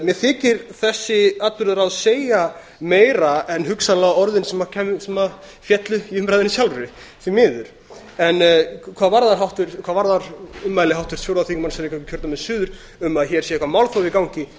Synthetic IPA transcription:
mjɛθɪːcɪɾ̥θɛsːɪat̪lʏɾðɾaðseːja | meːjɾaɛnɦʏksanlaɣɔɾðɪnsɛmacʰɛsɛma | fjɛt̪lʏiʏmpɾajðɪnɪsjawlɾʏɾɪθimɪːðʏɾ̥ | ɛnkʰvaːðvaɾðaɾɦawht̪ʏɾ̥kʰv̥aːðvaɾðaɾʏmːaːjlɪhawht̪ʏɾ̥sʰjowɾðawθikmansɛɾɛkʰaɛkcʰœɾt̪amɛðsʏːðʏɾ̥ | ʏmaðçɛɾ̥sjɛɛkvamawlθovɪkawɲcɪ

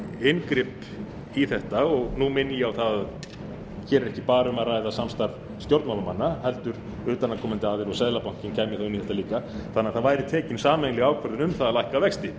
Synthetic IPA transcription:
ɪnkɾɪp | iθɛht̪aɔɣnumɪnːijawθað | çɛːɾɾɛhcɪpaːɾʏmaɾrajðasamst̪aɾv | st̪jowɾt̪mawlamanːahɛlt̪ʏɾ̥ | ʏːt̪anːakʰɔmɪnt̪ɪaːðɪɾɔɣsɛðlapawŋ̥cɪncʰaːjmɪθaʏmniθɛht̪aliːkaθanːaɾθaðvaːjɾɪt̪ʰɛːcɪnsaːmɛnlɪɣaːwkʰvaɾðɪnʏmθaðalajhkavɛkst̪ɪ

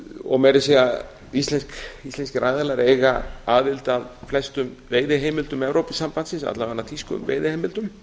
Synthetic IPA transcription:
ɔ̰ɣmɛɾɪsia | ist̪lɛnskist̪ɛnscɪɾʔajðɛlaɾejɣaaðvɪlt̪aðflɛst̪ʏmveːjðɪɦejmɪlt̪ʏmɛvɾowpɪsampant̪sɪnsa̰t̪laɣanːat̪ʰiskʏ̰mvḛːjðɪhejmɪlt̪ʏm

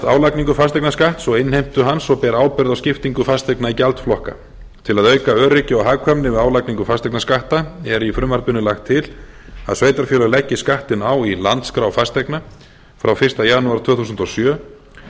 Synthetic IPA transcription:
t̪aːwlakniŋkʏfast̪ɛjknaskaht̪sɔɪnhejm̥t̪ʏɦansɔpɛːɾaaːwpɪɾðawscɪft̪iŋkʏfast̪ɛknaicɛlt̪flɔhka̰ | t̪ʰɪlaðœɥkaœːɾɪcɪɔɦaːɣkʰamnɪvɪðaːwlakniŋkʏfast̪ejknaskaht̪aɛɾifɾʏmvaɾt̪ʏnːʏlaxt̪ʰːɪl | a̰ðsveːjt̪aɾ̥fjœːlʏlɛcːɪskaht̪ɪnaːwilant̪skɾawfast̪ejkna | fɾawfɪr̥st̪ajanuaɾ̥t̪ʰvœːθus̬nt̪ɔsjœː

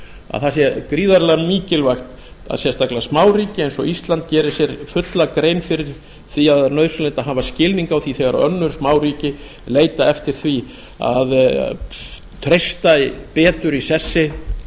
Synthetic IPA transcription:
a̰ðθasjɛkɾiːðaɾlamiːcɪlvajxt̪ | a̰ðsjɛnst̪aklasmaːwriːcɪejnsɔ̰ist̪lant̪cɛːɾɪsjɛɾfʏt̪lakɾejnfɪɾɪɾ̥ | θiaðnœðsʏlɛnt̪aɦaːvascɪlniŋkawθiθɛɣaɾa̰œ̰nːʏɾ̥smaːwriːcɪ | leːjt̪aɛft̪ɪɾ̥θvi | a̰ð | t̪ʰɾejst̪apɛːt̪ʏɾisɛsːɪ

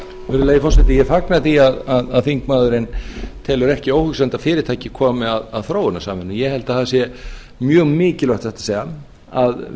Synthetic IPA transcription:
ɛɾʏlajðɪfɔrsɛt̪ɪjɛfaknaθiaðaðaðθiŋkmaːðʏɾɪnt̪ʰɛːlʏɾɛhcɪowhʏksant̪afɪːɾɪɾt̪ʰaːjcɪkʰɔːmɪaðaðθɾoːwɪnasaːmvɛnːʏmjɛhɛlt̪aθaðasjɛ | mjœːɣmɪːcɪlœht̪θɛht̪ḁseːjɣa | að

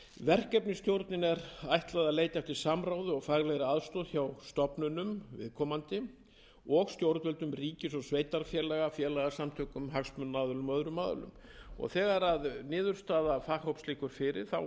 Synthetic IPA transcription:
vɛr̥kɛpnɪst̪jowɾt̪nɪnɛɾajht̪laðaleːjt̪aft̪ɪ̥samɾawðɪɔɣfaɣlɛɣɾɪaðst̪ɔːðçawst̪ɔpnʏnʏmvɪ̰ðkʰɔːmant̪ɪ | ɔɣst̪jowɾt̪vɛlt̪ʏmriːcɪsɔɣsveːjt̪aɾfjɛlɛɣafjɛːlɛɣasamt̪ʰœːkʏmɦaksmʏnːaːðʏlʏmœðɾʏmaːðʏ̰lʏ̰m | ɔ̰ɣθɛːɣaɾaðnɪːðʏɾ̥st̪aːðafahowpsliːkʏɾ̥fɪɾɪ̰ɾ̥θa̰w

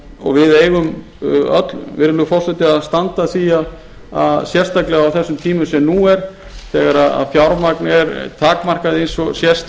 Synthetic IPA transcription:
ɔ̰ɣvɪðeːjɣʏm | œ̰t̪lvɪ̰ɾɪlʏfɔr̥sɛt̪ɪaðst̪ant̪aθiːa | aðsjɛst̪aklɛɣaawθɛsːʏmt̪ʰiːmʏsɛmnuːɛɾ̥ | θɛːɣaɾaða̰ðfjawɾmaknɛɾt̪ʰaːkmar̥kaðɪejnsɔsjɛst̪

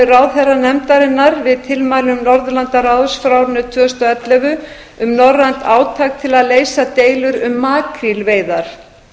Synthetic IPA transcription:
ɾawθɛrːanɛmt̪aɾɪnːaɾvɪðt̪ʰɪlmajlʏmnɔɾðlant̪aɾawðsfɾawɾnːʏt̪ʰvʏːœst̪aɛt̪lɛvʏ | ʏmnɔrːant̪ʰaːwt̪ʰaːk̚t̪ʰɪlaðleːjsat̪eːjlʏɾʏmːaːkʰɾilveːjðaɾ̥

